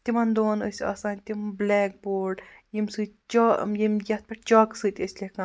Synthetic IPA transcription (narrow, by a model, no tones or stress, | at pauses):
t̪ʲimɐnd̪oːnəsʲa̰ːsaːnʲt̪ʲimblɛːk̚boːɾɖjimsɨːt̪ʲt͡ʃɔːjimjɐt̪̚pʲɐʈt͡ʃaːksɨt̪ʲəsʲlʲekɐ